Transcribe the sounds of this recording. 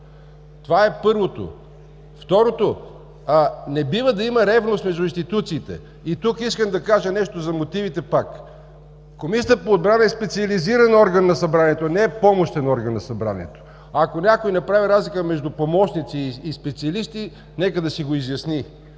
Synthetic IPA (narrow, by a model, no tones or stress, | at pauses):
t̪ovaɛpɤɾvot̪o̰ | ft̪ɔɾot̪o | nɛbivəd̪ɐimɐɾɛvnost̪mɛʒd̪ʊinst̪it̪ut̪siːt̪ɛ̰ | it̪ukiskəmd̪ɐkaʒənɛʃt̪ozɐmot̪ivit̪ɛpak | komisʲiəpoːd̪̚bɾanɐɛspɛt̪siɐliziɾɐnɔɾɡənːɐsɐbɾaniɛt̪onɛɛpɔmoʃt̪ɛnɔɾɡənːɐsɐbɾa̰niɛ̰t̪o̥ | ɐkonʲakojnɐpɾaviɾazlikəmɛʒd̪ʊpomɔʃnit̪siːspɛt̪siɐlist̪i | nɛkəd̪ɐsiɡoizjɐsni